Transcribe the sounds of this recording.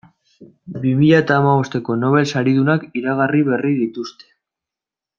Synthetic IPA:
bimiʎaet̪aːmaβo̞st̪e̞ko̞no̞β̞e̞lsaɾið̞unakiɾaɣariβe̞riðit̪ust̪e̞̥

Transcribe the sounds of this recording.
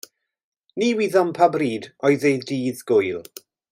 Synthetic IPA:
niwiːðɔmpʰabriːdɔɨðejðdiːðɡ̥ʊjlˠ

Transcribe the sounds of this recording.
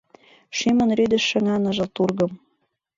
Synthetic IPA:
ʃimɤ̆nɾyd̪ɘ̆ʃːɘ̆ŋɑnɤ̆ʒɤ̆lt̪urɣɤ̆m

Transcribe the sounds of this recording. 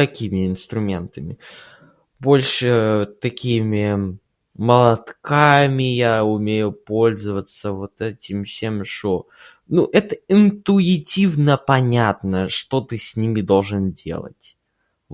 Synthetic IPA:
t̪ɐkʲimʲɪɪnst̪ɾʊmʲe̞nt̪əmʲɪ | bo̞lʲʂɨt̪ɐkʲimʲɪ | məlˠɐt̪kamʲɪjaʊmʲejʊpo̞lʲzəvət̪səvot̪ɛtʲɪmfsʲemʂo | nuʔɛt̪əɪnt̪ʊɪtʲivnəpɐnʲat̪nəʂt̪o̞t̪ɨsʲnʲimʲɪd̪o̞lˠʐɨndʲe̞̰lˠə̰tʲ

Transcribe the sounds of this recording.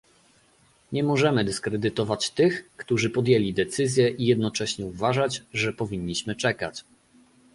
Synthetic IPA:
ɲɛmɔʐɛmɘd̪ɘskɾɛd̪ɘt̪ɔvat͡ɕt̪ɘxkt̪uʐɘpɔd̪ʲjelʲid̪ɛt̪sɘzʲjɛʔijɛd̪nɔt͡ʂɛɕɲɛuvaʐat͡ɕʐɛpɔvʲiɲːiɕmɘt͡ʂɛkat͡ɕ

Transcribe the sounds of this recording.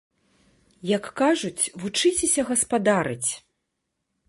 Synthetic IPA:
jɐkːaʐut͡sʲvut͡ʂɨt͡sʲɛsʲɐɣɐspad̪aɾɨt͡sʲ

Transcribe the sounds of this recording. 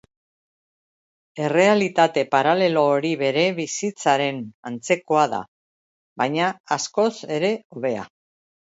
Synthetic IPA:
e̞re̞alit̪at̪e̞paɾale̞lo̞ːɾiβe̞ɾe̞βisit͡saɾe̞nant͡se̞ko̞aða̰ | βajɲaːsko̞se̞ɾe̞oβe̞a̰

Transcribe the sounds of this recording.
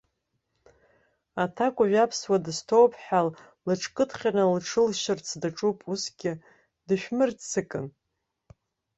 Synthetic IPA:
atʰakʷʼʊʒᶣapʰswadɨstʰowpʰħal | lɨʈ͡ʂʰkʼɨtʰχʲanɨlʈ͡ʂʰɨlʃɪrt͡sʰdaʈ͡ʂʼupʼusɡʲɪ | dɨʃᶣmɨrt͡sɨkʼɨn

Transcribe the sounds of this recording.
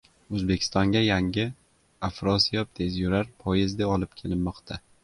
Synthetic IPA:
ɵzbekʲʰɪ̥st̪ɒŋɡʲajaŋʲɪ | afɾɒsijɒp̚t̪ʰezjʊɾaɾpʰɒjɪzd̪eɒlˠɪpkʲʰe̞lɪmːɒqt̪ʰa

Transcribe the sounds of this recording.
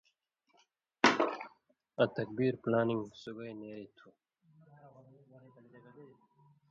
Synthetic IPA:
ɐt̪ɐk̚biːɾplaːniŋɡsuɡajneːɾit̪ʰu

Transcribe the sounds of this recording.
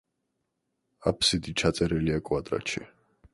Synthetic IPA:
apʰsid̪it͡ʃʰat̪sʼɛɾɛliakʼwad̪ɾa̰t͡ʃʰḭ

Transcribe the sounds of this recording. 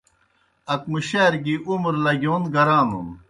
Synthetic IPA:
ɐk̚muɕeːɾɡiʔumɾlɐɡjoːnɡɐɾaːnṵn

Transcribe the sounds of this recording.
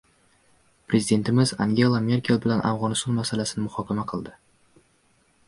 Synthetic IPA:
pɾezid̪e̞nt̪ʰɪmɪza̰ŋɡʲe̞lˠame̞ɾkʲe̞lˠbɪlanʔa̰fʁɒnɪst̪ɒnmasalasɪnɪmʊhɒkʲamaqʰɨlˠd̪ɪ

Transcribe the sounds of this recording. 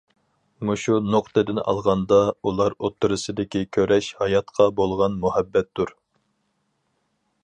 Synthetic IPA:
muʃunoqt̪ɨd̪ɪnɑ̰lˠʁɑnd̪ɑulˠɑɾot̪ʰːɨɾɨsɨd̪ɪkʲikʲʰøɾɛʃhɑjɑt̪qʰɑbolˠʁɑnmuhɛbːɛt̪ːuɾ

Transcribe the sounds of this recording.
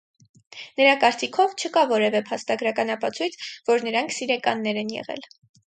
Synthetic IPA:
nəɾɑkɑɾt͡sikʰɔvt͡ʃʰəkɑvɔɾɛvɛpʰɑst̪ɑɡɾɑkɑnɑpɑt͡sʰujt͡sʰvɔɾnəɾɑŋkʰsiɾɛkɑ̰nːɛɾɛnjɛ̰ʁɛ̰l

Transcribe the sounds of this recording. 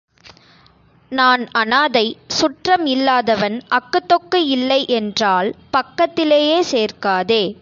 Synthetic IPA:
naːnɐnaːðɐɪsʊʈrɐmɪlːaːðɐʋɐnɐkːɯt̪ːɔkːɯɪlːɐɪʔɛndraːlpɐkːɐt̪ːɪleːjeːseːrkaːðeː

